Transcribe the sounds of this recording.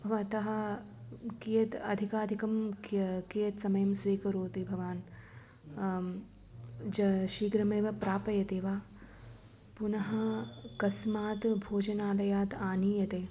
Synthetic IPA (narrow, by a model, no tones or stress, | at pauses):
ɐʋɐt̪ɐɦɐ | kijɐt̪ɐd̪ʱikaːd̪ʱikɐmkijɐt̪sɐmɐjɐmsʋiːkɐɾuːt̪ibʱɐʋaːn | d͡ʒɐʃiːɡɾɐmeːʋɐpɾaːpɐjɐt̪eːʋaː | punɐɦɐ̆kɐsmaːt̪bʱoːd͡ʒɐnaːlɐjaːt̪aːniːjɐt̪eː